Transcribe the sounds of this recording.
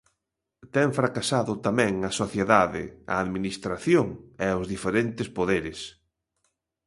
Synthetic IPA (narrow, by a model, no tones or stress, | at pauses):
t̪ɛŋfɾakasaðʊt̪amɛ̃ŋɐsoθjeðaðɪ̰ɐ̰aðminist̪ɾaθjoŋɛʊzðifeɾent̪ɪspoðeɾɪs